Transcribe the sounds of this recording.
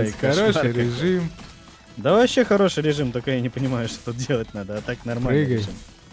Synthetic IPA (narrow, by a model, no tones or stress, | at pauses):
jkaɾoʂɨɾʲɪʐɨm | d̪əvɐɕːexɐɾo̞ʂɨjɾʲɪʐɨmt̪okojanʲɪpənʲɪmajʊʂt̪ot̪ut̪̚dʲe̞lˠət̚ʲnad̪əɐt̪aknɐrmaliɡɾəɪʐɨm